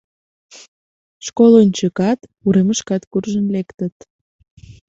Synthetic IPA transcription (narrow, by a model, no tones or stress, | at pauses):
ʃkolonʲt͡ɕəkɑt̪uɾeməʃkɑt̪kurʒənlekt̪ət̪